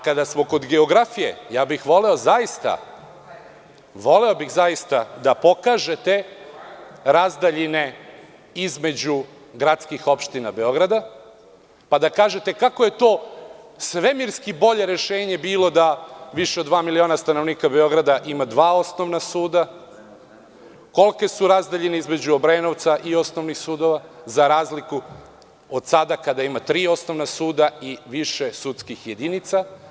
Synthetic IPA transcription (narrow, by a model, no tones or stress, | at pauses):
kad̪asmo̞ko̞d̪ɡe̞o̞ɡɾafije̞̰jaːbixʋo̞le̞o̞zajist̪a̰ | ʋo̞le̞o̞bixzajist̪ad̪apo̞kaːʒe̞t̪e̞ | ɾazd̪aʎine̞ | izme̞d͡ʑu | ɡɾat̪skixo̞pʃt̪ina̰be̞o̞ɡɾad̪a | pad̪akaːʒe̞t̪e̞kako̞je̞t̪o̞ː | sʋe̞miɾskibo̞ʎe̞ɾe̞ʃe̞ːɲe̞biːlˠo̞d̪aʋiʃeo̞d̪ʋaːmilio̞ːnast̪anoʋniːkabe̞o̞ɡɾad̪aʔimad̪ʋaːo̞sno̞ʋnasuːd̪a | ko̞lˠke̞suɾazd̪eʎeneizme̞d͡ʑuobɾeno̞ʋt̪saʔio̞snoʋnixsuːd̪oʋazaɾaːzliku | od̪̥sad̪akad̪aimat̪ɾiːo̞sno̞ʋnasuːd̪aiʋiʃe̞sut̪skixje̞d̪init̪sa